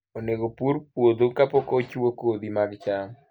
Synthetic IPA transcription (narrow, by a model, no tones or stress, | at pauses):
oneɡopuɾpwod̪okapɔkɔt͡ʃuwokod̪imaɡt͡ʃaŋ